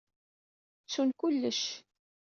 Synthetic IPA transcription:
t͡sːunkʊlːəʃ

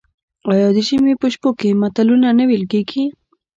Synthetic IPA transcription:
ajɑd̪əʃimepəʃpokemat̪alunanəwelkeɡi

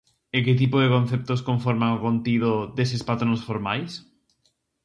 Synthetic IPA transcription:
eket̪̬ipoðekon̟θep̚t̪oskoɱfoɾmaŋokont̪iðod̪esespat̪ɾonsfoɾmajs

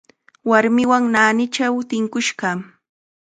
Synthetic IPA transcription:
waɾmɪwaŋnaːnɪt͡ʃawt̪ɪŋkʊʃɢɑ

